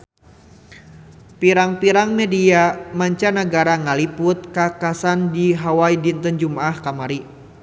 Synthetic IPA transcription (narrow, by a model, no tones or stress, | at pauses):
piɾaŋpiɾaŋmɛdiamaɲt͡ʃanaɡaɾaŋalipʊt̪̚kakasandiɦawaidint̪ənd͡ʒumaahkamaɾi